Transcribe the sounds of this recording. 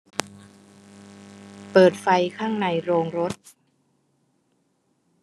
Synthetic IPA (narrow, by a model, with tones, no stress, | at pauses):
pɤː˨˩t̪̚fa˧jkʰaː˥˩ŋna˧jɾoː˧ŋɾo˦˥t̪̚